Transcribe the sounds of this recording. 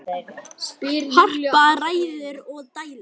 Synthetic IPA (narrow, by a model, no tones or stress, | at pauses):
hɔr̥paraːjðʏɾɔɣt̪aːjla